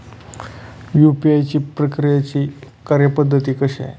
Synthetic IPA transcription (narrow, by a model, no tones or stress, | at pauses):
jupiajt͡ɕiːpɾəkɾijat͡ɕiː | kaɾjəpəd̪ʱːət̪iːkəɕa̰